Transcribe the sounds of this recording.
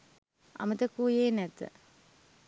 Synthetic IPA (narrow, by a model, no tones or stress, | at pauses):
a̰mət̪əkuːjeːnɛt̪ə̰